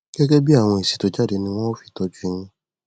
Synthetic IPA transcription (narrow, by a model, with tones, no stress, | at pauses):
ɡ̥ɛ˦ɡɛ˦bi˦a˦˨w̃ɔ̃˧e˨si̥˨to˨d͡ʒa˦de˨nĩ˧w̃ɔ̃˦o˦fi̥˦tɔ˧d͡ʒu˦i˧˦nũ˦